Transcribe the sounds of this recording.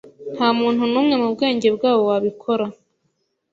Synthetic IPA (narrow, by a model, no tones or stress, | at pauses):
n̥hamuːn̥hunuːmŋe̞mub̚ɡe̞ːɲɟe̞bɡaːβo̞waβikʰo̞ɾa